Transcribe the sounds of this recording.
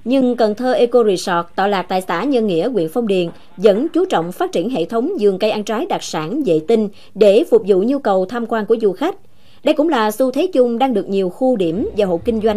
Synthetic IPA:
ɲɨ˧ŋkə˨˩nt̪ʰəː˧ʔe˧ko˧ɾi˧˩sɔ˨˩k̚t̪ɔ˧˩laː˨˩k̚t̪a̰ː˧˨jsaː˧˩ɲə˧nŋḭ˧˥əkwḭ˧˨ənfɔ˧wŋ͡mɗi˨˩ən | zə̰˧˥nt͡ɕu˨˦t͡ɕɔ̰˧˨wŋ͡mfaː˦˥t̚t͡ɕi˧˩ənɦḛ˧˨t̪ʰə˨˦wŋ͡mzɨ˨˩əŋkə˧jʔa˧nt͡ɕaː˨˦jɗaː˨˩k̚saː˧˩nzḛ˧˨t̪ï˧ŋ | ɗe˧˩fʊ˨˩k͡p̚zṵ˧˨ɲu˧kə˨˩wt̪ʰaː˧mkwaː˧nku˧˩əzu˨˩xa˦˥k̟̚ | ɗə˧jkʊ̰˧˥ŋ͡mlaː˨˩su˧t̪ʰe˨˦t͡ɕʊ˧ŋ͡mɗaː˧ŋɗɨ˨˩ək̚ɲi˨˩əwxu˧ɗi˧˩əmvaː˨˩ɦo̰˧˨kï˧ŋ̟zwa˧jŋ̟

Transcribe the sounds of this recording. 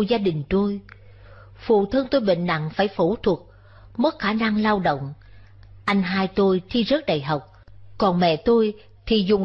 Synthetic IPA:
zaː˧ɗï˨˩ŋ̟t̪o˧j | fṵ˧˨t̪ʰə˧ŋt̪o˧jɓḛ˧˨ŋ̟na̰˧˨ŋfaː˧˩jfu˧˩t̪ʰwu˨˩t̚ | mə˦˥t̚xaː˧˩na˧ŋlaː˧wɗə̰˧˨wŋ͡m | ʔa˧jŋ̟ɦaː˧jt̪o˧jt̪ʰi˧zə˦˥t̚ɗə̰˧˨jɦa˨˩wk͡p̚kɔ˨˩nmɛ̰˧˨t̪o˧j | t̪ʰi˨˩zʊ˨˩ŋ͡m

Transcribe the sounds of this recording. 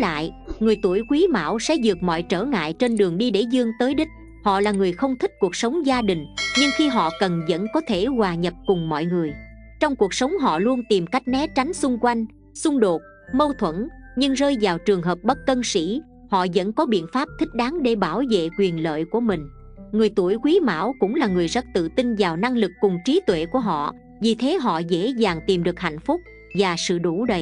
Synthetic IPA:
la̰ː˧˨jŋɨ˨˩əjt̪u˧˩əjkwi˨˦ma̰ː˧˩wsɛ̰˧˥zɨ˨˩ək̚mɔ̰˧˨jt͡ɕəː˧˩ŋa̰ː˧˨jt͡ɕe˧nɗɨ˨˩əŋɗi˧ɗe˧˩zɨ˧əŋt̪əː˨˦jɗï˦˥k̟̚ | hɔ̰˧˨laː˨˩ŋɨ˨˩əjxə˧wŋ͡mt̪ʰi˦˥k̟̚ku˨˩ək̚sə˨˦wŋ͡mzaː˧ɗï˨˩ŋ̟ɲɨ˧ŋxi˧ɦɔ̰˧˨kə˨˩nzə̰˧˥nkɔ˨˦t̪ʰe˧˩waː˨˩ɲə˨˩p̚kʊ˨˩ŋ͡mmɔ̰˧˨jŋɨ˨˩əj | t͡ɕɔ˧wŋ͡mku˨˩ək̚sə˨˦wŋ͡mɦɔ̰˧˨lu˧ənt̪i˨˩mka˦˥jk̟̚nɛ˨˦t͡ɕa˨˦jŋ̟sʊ˧ŋ͡mkwa˧jŋ̟ | sʊ˧ŋ͡mɗo˨˩t̚ | mə˧wt̪ʰwə̰˧˥nɲɨ˧ŋzəː˧jzaː˨˩wt͡ɕɨ˨˩əŋɦəː˨˩p̚ɓə˦˥t̚kə˧nsḭ˧˥ | hɔ̰˧˨zə̰˧˥nkɔ˨˦ɓḭ˧˨ənfaː˦˥p̚t̪ʰï˥k̟̚ɗaː˨˦ŋɗe˧˩ɓaː˧˩wvḛ˧˨kwi˨˩ənlə̰ː˧˨jku˧˩əmï˨˩ŋ̟ | ŋɨ˨˩əjt̪u˧˩əjkwi˨˦ma̰ː˧˥wkʊ̰˧˥ŋ͡mlaː˨˩ŋɨ˨˩əjzə˦˥t̚t̪ɨ̰˧˨t̪i˧nvaː˨˩wna˧ŋlɨ˨˩kːʊ˨˩ŋ͡mt͡ɕi˨˦t̪wḛ˧˨ku˧˩əɦɔ̰˧˨ | vi˨˩t̪ʰe˨˦ɦɔ̰˧˨zḛ˧˥zaː˨˩ŋt̪i˨˩mɗɨ˨˩ək̚ha̰˧˨jŋ̟fʊ˦˥k͡p̚ | vaː˨˩sɨ̰˧˨ɗu˧˩ɗə˨˩j

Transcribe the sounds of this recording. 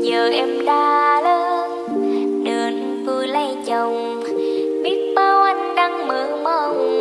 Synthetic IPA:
ɲəː˨˩ʔɛ˧mɗaː˧˦ləː˧˦ | ɗəː˨˩n | vɨ˧˩lə˧jt͡ɕə˨˩wŋ͡m | ɓi˦˥ət̚t̪əː˧wʔa˧ŋɗa˧ŋməː˨˦mə˧

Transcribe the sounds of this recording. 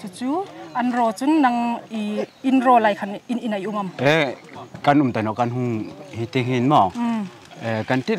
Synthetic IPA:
tʰut͡su˦ʔɐnɾɔ˧t͡su˦nːɐ˧ŋiinrɔ˧la˨jkʰa˧nini˨nɐ˨jʔu˧ŋɐ˨mɛ˦ka˧nu˨mt̪a˨˩nɔ˨ka˧nɦu˧ŋhi˧t̪e˧ɦi˧nma˨ | kɐ˧nt̪i˦t

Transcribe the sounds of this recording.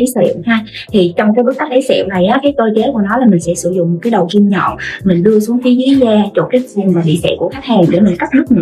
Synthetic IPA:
i˨˦sɛ̰˧˨wt̪ʰa˧ | t̪ʰi˨˩t͡ɕɔ˧ŋ͡mkaː˨˦jɓə˦˥t̚ta˦˥k̚lʰi˨˦jsɛ̰˧˨wna˨˩jʔaː˨˦kaː˨˦jt̪o˧jt͡ɕe˨˦ku˧˩ənɔ˨˦laː˨˩mï˨˩ŋ̟sɛ̰˧˥sɨ˧˩zʊ̰˧˨ŋ͡mmo˨˩t̚kaː˨˦jɗə˨˩wzi˧mɲɔ̰˧˨mï˨˩ŋ̟ɗɨ˧əsu˨˦əŋkaː˨˦jzi˨˦zaː˧t͡ɕo˧˩k̚ːvu˨˩əŋvaː˨˩ḭ˧˨sɛ̰˧˨ku˧˩əka˦˥jk̚haː˨˩nɗḛ˧˩mi˨˩ŋ̟ka˦˥k̚nɨ˦˥k̚n˨

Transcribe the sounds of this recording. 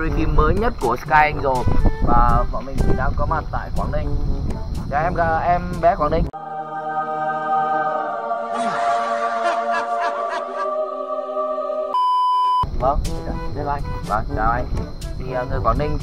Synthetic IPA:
li˧˩fi˧˩mːəː˨˦jɲə˦˥t̚ku˧˩əskaː˧i˧ŋ̟zo˨˩jvaː˨˩kɔ˧˩˦mï˨˩ŋ̟t̪ʰi˨˩ɗaː˧˩kɔ˨˦ma˨˩t̚t̪a̰ː˧˨jkwaː˧˩nï˧ŋ̟ | ɣaː˧˩ʔɛ˧mɣaː˧˩ʔɛ˧mvɛ˧˦kwa˧˩nï˧ŋ˧ | və˧˩ŋ˧˩˨zla̰˧˨jŋva˧˨˩t͡ɕaː˨˩ʔa˧ŋ | t̪ʰi˨˩əː˨˩ŋɨ˨˩əjkwaː˧˩nï˧ŋ̟

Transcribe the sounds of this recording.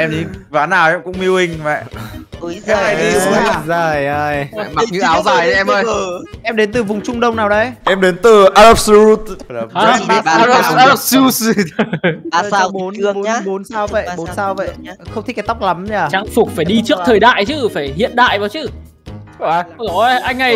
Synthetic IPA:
ʔɛ˧mɗi˨˦vaː˨˦naː˨˩wʔɛ˧mkʊ̰˧˥ŋ͡mmi˧əwhï˧˩ŋ̟və̰˧˨˦ | zə˨˩˧zo˨˩jə˨˩jm˨ɲɨ˨˦aː˨˦wzaː˧˩jɛ˧mː˧jʔɛ˧mɗe˨˦nt̪ɨ˨˩vʊ˨˩ŋ͡mt͡ɕʊ˧ŋ͡mɗə˧wŋ͡mnaː˨˩wɗə˧jʔɛ˧mɗe˨˦nt̪ɨ˨˩ʔaː˧lə˦˥p̚su˦t̪̚aː˧˨˦s | a˨˩a˧o˨˦nɨː˧˦˨o˨˦nsaː˧wvə̰˧˨˧ɓo˨˦nsaː˧wvə̰˧˨jxə˧ŋ͡mt̪ʰi˦˥ka˨˦t̪a˦˥wk͡p̚la˨˦mɲaː˧˩t͡ɕa˨˦ŋfʊ˨˩k͡p̚faː˧˩jɗi˧t͡ɕɨ˦˥əkt̪ʰəː˨˩jɗa̰ː˧˨jt͡ɕɨ˧˦faː˧˩jhḭ˧˨ənɗa̰ː˧˨jvaː˨˦wt͡ɕɨ˧˦˨ | ʔa˧jŋ̟ha˧j

